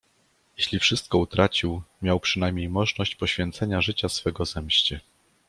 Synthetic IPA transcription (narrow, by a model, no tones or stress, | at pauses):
jeɕlʲifʂɘst̪̚kɔut̪ɾat͡ɕiwmʲjawpʂɘnajmʲɲejmɔʐnɔɕt͡ɕpɔɕfʲjɛnt̪sɛɲaʐɘt͡ɕasfɛɡɔzɛmɕt͡ɕɛ